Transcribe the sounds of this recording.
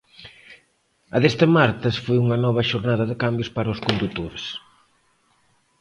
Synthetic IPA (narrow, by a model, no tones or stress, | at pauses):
ɐðest̪ɪmaɾt̪ɪsfojuŋɐnɔβ̞ɐʃoɾnaðɐðɪkambjʊspaɾɐʊskond̪ut̪oɾes